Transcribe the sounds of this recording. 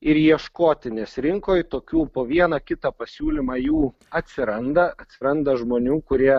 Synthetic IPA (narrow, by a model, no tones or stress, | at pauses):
ɪɾjiɛʃkoːt̪ʲɪnʲeːsɾʲɪŋkoːjt̪oːkʲuːpoːʋʲiɛnɐkʲɪt̪ɑpɐsʲuːlʲimɑːjuː | ɐt̪ʲsʲɪɾɐnd̪ɐɐt̪ʲsʲɪɾɐnd̪ɐʒmoːnʲuːkʊɾʲiɛ